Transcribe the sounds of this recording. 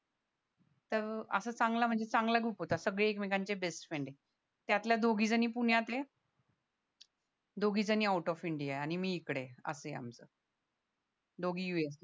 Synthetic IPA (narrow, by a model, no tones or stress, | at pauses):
t̪əɾə̰səːt͡sãŋɡlam̤əɳd͡zet͡sãŋɡlaɡuːpɦot̪asəɡɭeːkmekant͡ɕebesʈfeɳɖe | t̪jat̪ljad̪oɡiːd͡zəniːpuɳ̤jat̪e | d̪oɡiːd͡zəniːawʈɔfiɳɖijaeaɽ̃imiːkɽeə̰sea̰mt͡sə̰ː | d̪ʱoɡiːjues